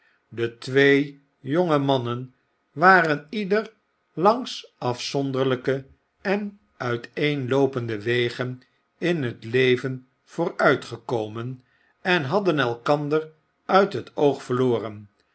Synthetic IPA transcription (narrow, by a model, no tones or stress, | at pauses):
dətʋej | joŋəmɑnən | ʋaːrənidər | lɑŋsɑfsɔndəɹləkə | ɛn | œɥtejnlowpəndəʋejχən | ɪnɦətlejvən | v̥ʊːɹœɥtχəkowmən | ɛnɦɑdənɛlˠkɑndər | œɥtɦətowχfəɹloːrən